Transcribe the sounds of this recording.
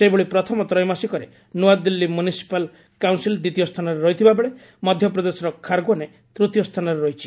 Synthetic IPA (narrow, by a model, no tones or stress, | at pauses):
seboɭipɾɔt̪ʰɔmɔt̪ɾɔjmasikɔɾe | nuad̪ilːimjunisi̥pal | kawnsild̪it̪ijɔst̪ʰanɔɾeɾɔɦit̪ʰibabeɭe | mɔd̪ʱjɔpɾɔd̪esɔɾɔkʰːaɾɡɔne | t̪ɾut̪jɔst̪ʰanɔɾeɾɔɦit͡ʃʰi̥